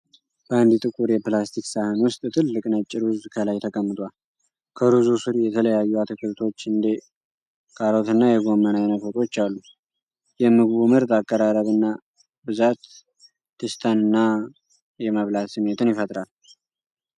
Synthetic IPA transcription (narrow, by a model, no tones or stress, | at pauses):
b̥əand̪it̪ʼɨkʼuɾjɛplast̪ʰiksahɨnwʊst̪ʼt̪ʰɨlːɨkʼnat͡ʃʼːɪɾuzkʰəlajt̪ʰəkʼəmːɨt̪ʼwal | kʰəɾuzusɨɾjɛt̪ʰələjajːuat̪ʰɨkʰɨɾt̪ʰo̞t͡ʃːɨnd̪e | kʼaɾo̞t̪ʰɨnːajɛɡo̞mːənajnəfot̪ʼo̞t͡ʃːalːu | jɛmɨɡβumɨɾt̪ʼakʼːəɾaɾəβɨnːa | bɨzat̪ː | ɨst̪ʰanɨnːa | jɛməβlat̪sɨmːe̞t̪ɨnjɪfət̪ʼɾal